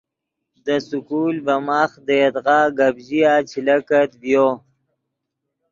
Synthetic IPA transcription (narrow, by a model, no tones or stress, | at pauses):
d̪əsukuːlbamaxd̪ed̪ɣaːɡabʑijat͡ʃʰilakat̪bjo